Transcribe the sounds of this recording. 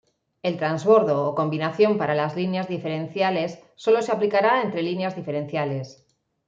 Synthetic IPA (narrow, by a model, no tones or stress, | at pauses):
e̞lt̪ɾanzβo̞ɾðo̞ːko̞mbinaθjo̞mpaɾalazlinjazðife̞ɾẽnθjale̞sːo̞lo̞se̞aplikaɾaent̪ɾe̞linjazðife̞ɾẽ̞n̟θjale̞s